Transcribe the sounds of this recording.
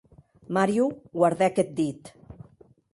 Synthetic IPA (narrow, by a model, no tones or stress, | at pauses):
maɾjuɣwaɾðɛket̪̚d̪it̪